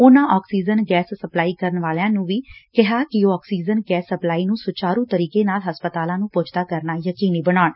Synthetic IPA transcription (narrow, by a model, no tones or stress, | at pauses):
ʊːnãːʔɔːksiːd͡ʒənɡɛːsːəplaːiːkəɾənʋaːljãːnũːʋiːkɪɦaːkɪɔːksiːd͡ʒənɡɛːsːəplaːiːnũːsʊt͡ʃaːɾũːt̪əɾiːkeːnaːlɦəspət̪aːlãːnũːpʊt͡ʃʰt̪aːkəɾnaːjəkiːniːbəɽaːɳ